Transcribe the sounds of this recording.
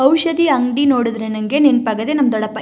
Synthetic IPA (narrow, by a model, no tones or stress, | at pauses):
ɐwʃɐd̪iɐŋɖinoːɽud̪ɾenɐŋɡenenpɐɡɐd̪enɐmd̪ɔɽɐpːɐ